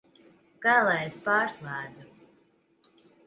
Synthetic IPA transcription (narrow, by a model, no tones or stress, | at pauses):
ɡ̥alˠajespaːɾslˠaːd̪zu